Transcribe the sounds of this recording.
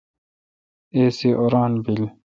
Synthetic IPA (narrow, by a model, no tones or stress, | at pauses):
eːsiʔoɾaːnbil